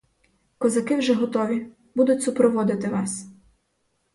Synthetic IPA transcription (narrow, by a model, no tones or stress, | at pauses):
kɔzɐkɪwʒɛɦɔt̪ɔʋʲi | bud̪ʊtʲsʊpɾɔʋɔd̪ɪt̪ɪʋɑs